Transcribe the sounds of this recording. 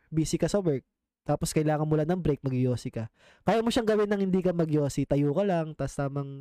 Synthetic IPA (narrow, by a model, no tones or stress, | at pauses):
biːsɪkɐsɐwɛɹk̚ | t̪aːposkɐjɪlaːŋɐnmʊlanɐŋbɾɛjk̚mɐɡjoːsɪkɐ | kajamoʃaŋɡɐwɪnːɐŋhɪnd̪iːkɐmɐɡjoːsɪt̪ɐjokɐlɐŋt̪ɐst̪aːmɐŋ